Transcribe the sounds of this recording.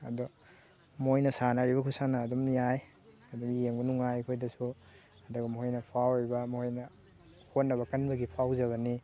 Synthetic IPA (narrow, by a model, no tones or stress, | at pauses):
ɐ̰do | mojnɐsanaɾibɐkʰusanɐːdumnijaj | ɐdɔmjeŋbɐnuŋajkʰojdɐsu | ɐduɡɐmɦojnɐpʰawɾibɐmohojnɐ | hotnːɐβɐkɐnbɐɡipʰawzɐɡɐni